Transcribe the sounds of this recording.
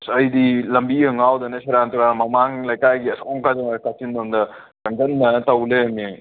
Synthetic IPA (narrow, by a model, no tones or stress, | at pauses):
sɐjdilɐmbiɐŋawdɐnɐsaɾantuɾamɐmaŋlɐjkajɡiɐsɔŋkazɐŋaɾkatindɐmdɐ | kɐŋɡɐnːɐtɐwleɐmi